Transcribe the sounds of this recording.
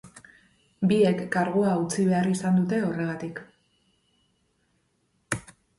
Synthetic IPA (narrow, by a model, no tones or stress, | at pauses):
bie̞kːaɾɣoaut͡siβe̞arisand̪ut̪e̞o̞re̞ɣ̞at̪ik